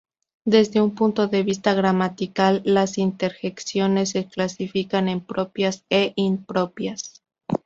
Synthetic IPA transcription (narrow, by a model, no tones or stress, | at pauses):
d̪e̞zðe̞umpunt̪o̞ðe̞βist̪aɣɾamat̪ikalːasint̪e̞ɾxeksjo̞ne̞s̬ːeklasifikane̞mpɾo̞pjaseʔimpɾo̞pjas